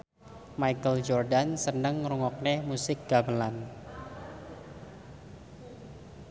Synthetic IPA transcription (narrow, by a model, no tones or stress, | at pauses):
majkəld͡ʒɔrdansənəŋruŋɔk̚nemusɪk̚ɡ̥abəlan